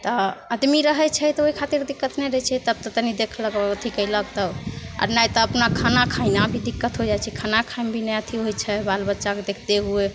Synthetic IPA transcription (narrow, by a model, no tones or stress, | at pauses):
t̪ɔəd̪miɾəɦɛt͡ʃʰɛt̪ɔoikʰat̪iɾd̪ikːət̪nɛjɾət͡ʃʰɛt̪əb̚t̪ət̪ənid̪ekʰləkɔət̪ʰikəjlək̚t̪əba̰ɾnajt̪ɔəpnakʰanakʰainabʱid̪ikːət̪ɦod͡ʒajt͡ʃʰɛkʰanakʰajnbʱinɛət̪ʰiɦojt͡ʃʰɛbalbətːʃaked̪ekʰt̪eɦue